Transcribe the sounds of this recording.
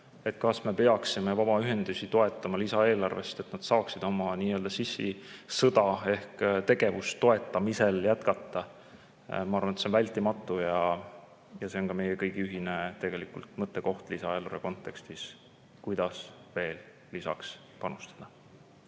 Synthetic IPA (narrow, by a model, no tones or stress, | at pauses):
e̞t̪̚ːˑkɑsme̞pe̞ɑksime̞vɑb̥ɑyɦe̞nd̪̥usʲit̪o̞e̞t̪ˑːɑmɑlisɑe̞ːlɑrve̞st̪et̪ːnɑd̪̥sɑːksid̪̥o̞mɑniːø̞ːld̪ɑsisːḭsɤd̪̥ɑe̞hkt̪e̞ɡ̥e̞vust̪ːo̞e̞t̪ːˑɑmise̞ljæt̪kɑt̪ˑːɑ | mɑɑrvɑnet̪senvælʲt̪ːˑimɑt̪ːˑujɑ | jɑse̞o̞nkɑme̞jekɤjɡ̥iyɦinet̪e̞ɡe̞likult̪mɤt̪ːˑe̞ko̞ht̪lisɑeːlɑrveko̞nt̪ːˑe̞kst̪is | kujd̪̥ɑsve̞ːl | lisɑ̰ks | pɑnust̪ɑ̥d̪̥ɑ